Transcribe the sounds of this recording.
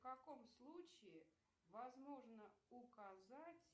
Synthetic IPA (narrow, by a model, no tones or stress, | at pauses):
fkɐko̞mslˠut͡ɕɪɪ | vɐzmo̞ʐnəʊkɐzatʲ